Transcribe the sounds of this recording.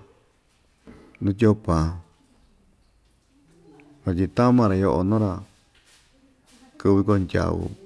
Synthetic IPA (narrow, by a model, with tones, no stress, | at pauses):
nũ˦t̬ʲo˦pã˨ | βa˧t̬ʲi˧t̪a˦mã˧ɾa˧jo˧ʔo̰˧nõ˦ɾa˧ | kɨ˧βi˧ko˦˧ndʲa̰˨βṵ˧